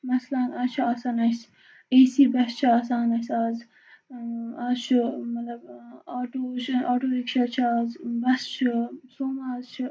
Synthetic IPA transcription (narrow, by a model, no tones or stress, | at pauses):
mɐslɐnaːt͡ʃʰiaːsanɐs | eːsiːbɐst͡ʃʰiaːsaːnɐsaːz | aːt͡ʃʰumɐt̪lɐbaːʈoːt͡ʃʰaːʈoːikʃʰɐt͡ʃʰaːzbɐst͡ʃʰsoːmaːzt͡ʃʰ